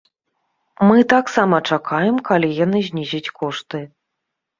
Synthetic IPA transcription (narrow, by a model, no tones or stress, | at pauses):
mɨt̪aksamɐt͡ʂakʰajɛmkalʲijanɨzʲnʲizʲit͡sʲkɔʂt̪ɨ